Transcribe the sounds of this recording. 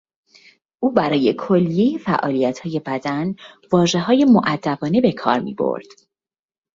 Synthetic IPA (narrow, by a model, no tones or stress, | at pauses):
ʔuːbæɾɒːje̞kʰo̞lːije̞jefæʔɒːlijæt̪ʰhɒːje̞bæd̪ænvɒːʒe̞ɦɒːje̞moʔæd̪ːæbɒːne̞be̞kʰɒ̰ːɾmḭːbo̞̰ɾd̪̥